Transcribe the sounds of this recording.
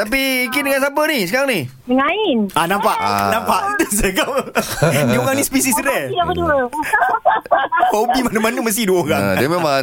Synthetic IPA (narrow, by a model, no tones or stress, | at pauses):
t̪ap̬ikindəŋans̬ap̬ənisəkaɾaŋni | əŋaɪnʔanãmpaʔnãmpaʔt̪əs̬əkawnioɣaŋnĩspis̬isɾɛapəduə | obimanəmanəməs̬iduəoɾadimema